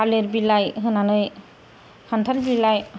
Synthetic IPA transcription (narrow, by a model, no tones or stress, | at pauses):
aleɾbilajɦɯnanɯj | kʰantʰaɾbilaj